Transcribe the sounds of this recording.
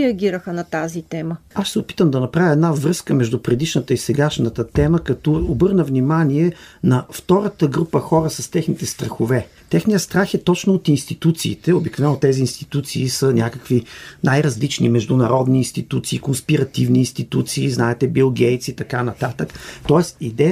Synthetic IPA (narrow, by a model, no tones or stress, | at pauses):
ɛɐɡʲiɾəxənɐt̪azit̪ɛməaʃsɛopi̥t̪əmd̪ɐnɐpɾavʲjəɛd̪navɾɤskəmɛʒd̪upɾɛd̪iʃnət̪əisɛɡaʃnət̪ət̪ɛməkɐt̪ɔobɤɾnəvnimaniɛnɐft̪ɔɾət̪əɡɾupəxɔɾəsɐst̪ɛxnit̪ɛst̪ɾɐxʊvɛ | t̪ɛxnijəst̪ɾaxɛt̪ɔt͡ʃnʊːt̪inst̪it̪ut̪sḭːt̪ɛobiknovɛnːot̪ɛziːnst̪i̥t̪ut̪siːsənʲakəkvinajɾɐzlit͡ʃnimɛʒd̪ʊnɐɾɔd̪niːnst̪it̪ut̪siːkonspiɾɐt̪ivniːnst̪it̪ut̪siːznaɛt̪ɛbilˠɡɛjt̪sit̪ɐkanɐt̪at̪əkt̪ɔɛsid̪ɛ